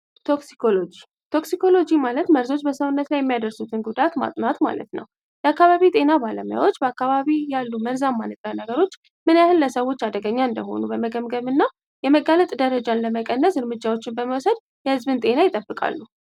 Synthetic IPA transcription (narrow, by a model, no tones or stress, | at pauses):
t̪ʰo̞ksi̥kʰolod͡ʒi | t̪ʰo̞ksikʰo̞lo̞d͡ʒimalət̪məɾzo̞t͡ʃːbəsəwnːət̪lajɛmːijad̪əɾsut̪ʰɨnɡud̪at̪ma̰t̪ʼnat̪ma̰lə̰t̪nə̰w | jɛakːaβaβit̪ʼe̞nabaləmuja̰wo̞t͡ʃːbəakːaβaβijalːuməɾzamːanɨt̪ʼːanəɡəɾo̞t͡ʃː | mɨnjahɨnləsəwo̞t͡ʃːad̪əɡəɲːaɨnd̪əɦo̞̰nubəməɡəmɡəβɨnːa | jɛməɡalət̪ʼd̪əɾəd͡ʒanləməkʼənːəsɨɾmɨd͡ʒːawo̞t͡ʃːɪnbəməwsəd̪ | jɛhɨzβɨnt̪ʼe̞najɪt̪ʼəbːɨkʼa̰lːu